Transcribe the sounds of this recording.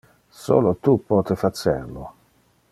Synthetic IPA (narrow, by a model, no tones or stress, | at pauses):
so̰ːlot̪upɔt̪efat͡sɛɾlo